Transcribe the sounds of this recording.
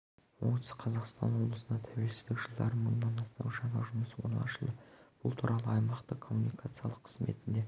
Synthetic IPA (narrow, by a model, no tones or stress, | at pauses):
wo̰nt̪əsqʰɑzɑqst̪ɑ̰nwo̞blˠəsənɑt̪ʰæwe̞lsɪzd̪ɪkʒəlˠd̪ɑ̰ɾəmənd̪ɑnɑst̪ɑ̰wʒɑɴɑ̰ʒʊməswo̞̰ɾnˠɑ̰ʃəlˠd̪əb̥ʊlˠt̪ʰuɾʔɑlˠəɑjmɑqt̪əkʰo̞mːunijkʰat̪sɨijɑlˠəqːʰəzme̞̰t̪ɪnd̪e̞